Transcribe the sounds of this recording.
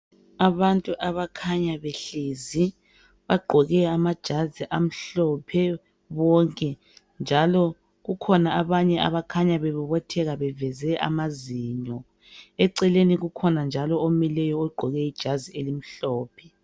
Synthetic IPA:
aβantʼuʔaβakʰaɲaβeɬeːzi | βaɡ͡ǃʱɔɣɛamad̥ʒ̥ʱaziʔam̩ɬɔpʰɛ | βɔŋkʼɛ | nd͡ʒʱalɔ | ɣukʰɔnaaβaɲɛʔa̰βakʰaɲaβɛβuβɔtʰɛɣaβɛvɛzɛʔa̰maziːɲɔ | ɛǀɛleniɣukʰɔnand͡ʒʱalɔomilɛjɔɔɡ͡ǃʱɔɣɛid̥ʒ̥ʱazielim̩ɬɔːpʰɛ

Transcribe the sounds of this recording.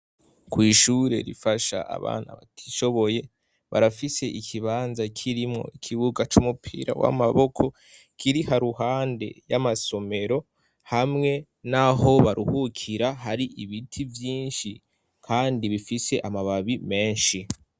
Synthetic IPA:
kwiːʃuːɾe̞̰ɾḭfaʃa̰a̰βa̰ːna̰βatʰi̥ʃo̞βo̞je̞ | βaɾafise̞ʔikʰiβaːnzakʰiɾimŋo̞̰ikʰiβuɡat͡ʃuːmupʰḭːɾa̰wa̰maβo̞kʰo̞ | kʰiɾihaɾuhaːnde̞̰jamaso̞me̞ɾo̞ | hamŋe̞ | naɦo̞βaɾʔuhukʰiɾaɦaɾiʔiβitʰivjiːnʃi | kʰaːndiβifiseʔamaβaβime̞ːnʃi

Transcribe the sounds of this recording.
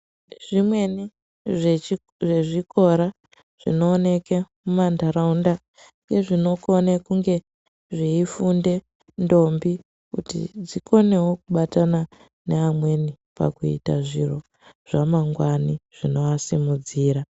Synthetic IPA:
ʐ̥imwe̞ni | ʐeʐiko̞ɾa | ʐ̥ḭno̞ːne̞kemumandaɾaunda | ŋɡe̞ʐino̞ko̞nekuŋɡe̞ | ʐiifunde̞ | ndo̞mbi | kṵtḭd͡zikʰo̞ne̞wo̞kuɓatana | neamwe̞ni | pa̰kuḭta̰ʐḭro̞ | ʐ̥amaŋɡwaniʐ̥ino̞asimud͡ziːɾa

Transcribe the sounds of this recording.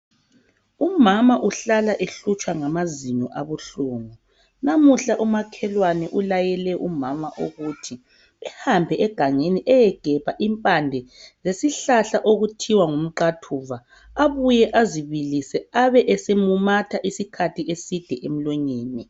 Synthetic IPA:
umamaʔuɬalaʔeɬut͡ʃʼwaŋamaziɲɔʔaβuɬuːŋɔ | namuɬaʔumakʰɛlwanɛʔulajɛlɛʔumamaʔuɣutʰi | ɛhambʱɛʔɛɡ̥ʱaŋeniʔɛjɛɡ̥ʱɛpaʔimpʼandʱɛzesiɬaɬaʔoɣutʰiwaŋum̩ǃatʰuːva | aβujɛʔaziβilisɛaβɛʔɛsemumatʰaʔisikʰatʰiʔesid̥ʱɛʔem̩lwɛɲeːni

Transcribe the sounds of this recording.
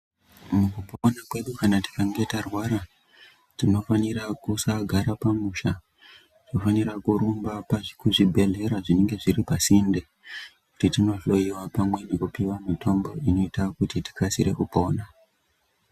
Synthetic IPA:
mukupoonakwe̞ɗukanati̥kaŋɡe̞tarwaɾa | tino̞faniɾakusaɡʱaɾapamuʃa | ʐ̥nofaniɾakuɾumbapaʐikuʐibʱe̞ɮe̞ɾaʐine̞ŋɡe̞ʐiɾipasinde | kutitino̞ʐlo̞iwapamwe̞nekupiwamitʰo̞mbo̞ʔino̞itakutiti̥kasiɾe̞ʔupo̞ːna

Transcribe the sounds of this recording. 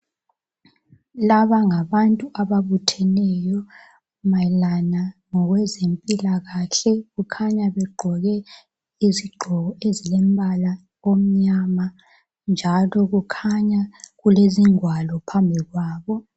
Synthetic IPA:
laβaŋaβantʼuʔaβaβutʰɛnɛjɔ | malanaŋɔɣwɛzempʼilaɣaɬɛɣukʰaɲaβɛɡ͡ǃʱɔɣɛ | iziɡ͡ǃʱɔɣɔezilem̩bʱala | om̩ɲaːma | nd͡ʒʱalɔɣukʰaɲaɣuleziŋwalɔpʰambʱiɣwaːβɔ

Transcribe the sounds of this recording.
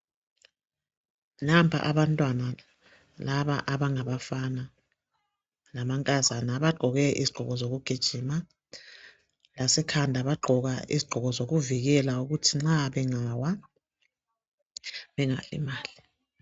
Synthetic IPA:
nampʰa̰ʔaβantʼwana | laβa̰ʔaβaŋaβafana | namaŋkʼazanaβaɡ͡ǃʱɔɣɛʔḭziɡ͡ǃ̥ʱɔɣɔzoɣuɡ̥ʱid̥ʒ̥ʱiːma | lasɛkʰandʱaβaɡ͡ǃʱɔɣaḭziɡ͡ǃʱɔɣɔzoɣuviɣɛlauɣutʰiŋ͡ǁaβɛŋawa | βɛŋa̰lḭmaːli

